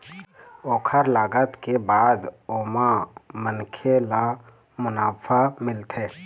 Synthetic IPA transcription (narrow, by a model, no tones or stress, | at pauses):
oːkʰəɾlaːɡət̪kebaːd̪oːmamənkʰela | mʊnaːpʰamɪlt̪ʰeː